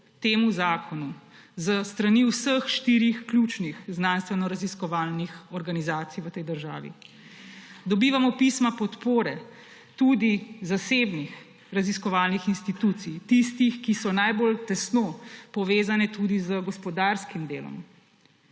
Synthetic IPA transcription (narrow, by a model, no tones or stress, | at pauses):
t̪eːmuzaːkɔnuzəst̪ɾaniwsəxʃt̪iːɾixklʲut͡ʃnixznanst̪ʋɛnɔɾaziskɔʋaːlnixɔɾɡanizaːt̪sijʋət̪ɛjd̪əɾʒa̰ːʋḭ | d̪ɔbiːʋamɔpiːsmapɔt̪poːɾɛ | t̪ud̪izaseːbnix | ɾaziskɔʋaːlnixinst̪it̪uːt̪sijt̪ist̪ixkisɔnajbolt̪ɛsnopɔʋeːzanɛt̪ud̪izəɡɔspɔd̪aːɾskimd̪eːlɔ̰m